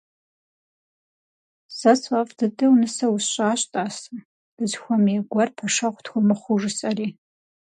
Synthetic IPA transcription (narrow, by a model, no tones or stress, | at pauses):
sɐsʼɐfdɨdʼɨwnɨsɐwʊsɕʼaːɕʼtʼaːsɨ | b̥ɨzxʷɔmiɛɡʷɔrpʰɐʂɐʁʷtʰxʷʊmɨχʷʊʐɨsʼɐriː